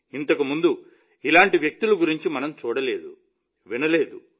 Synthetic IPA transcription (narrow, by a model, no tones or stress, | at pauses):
int̪ɐkumund̪u | ilaːɳʈiʋjɐk̚t̪uluɡuɾiɲt͡ʃimɐnɐmt͡ʃuːɽɐle̞̰ːd̪ṵ | ʋinɐle̞ːd̪u